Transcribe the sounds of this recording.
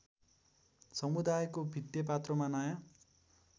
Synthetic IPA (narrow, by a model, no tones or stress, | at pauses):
sʌmud̪ajkobʱit̪jʌpat̪rʌmanʌjã